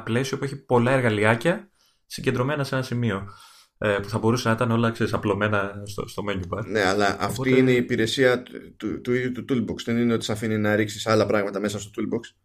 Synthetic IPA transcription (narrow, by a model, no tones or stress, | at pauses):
ple̞sio̞pueçipo̞lɐe̞ɾɣɐliɐcɐ | siɲɟend̪ɾo̞me̞nɐse̞nɐsimio̞ | puθɐbo̞ɾusenɐit̪ɐneo̞lɐkse̞ɾisɐplo̞me̞nɐst̪o̰st̪o̞meɲubɐneɐlɐʔɐ̰ftt̪iineipiɾe̞siɐt̪ut̪uiðjut̪ut̪ulboksðe̞nineot̪i̥sɐfininɐɾiksisɐlɐpɾɐɣmɐt̪ɐme̞sɐst̪ot̪ulboks